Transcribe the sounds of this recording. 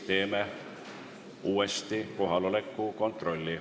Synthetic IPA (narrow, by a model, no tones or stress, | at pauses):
t̪e̞ːme | uːest̪iko̞ɦɑlo̞le̞kːˑuko̞nt̪ˑro̞lʲːi